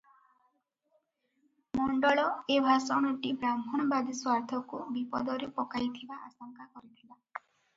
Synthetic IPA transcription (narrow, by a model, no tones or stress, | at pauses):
mɔɳɖɔɭɔebʱasɔɽ̃ɔʈibɾambʱɔnɔbad̪iswaɾt̪ʰɔkubipɔ̰d̪ɔɾepɔkajt̪ʰibaʔa̰sɔŋkakɔɾit̪ʰila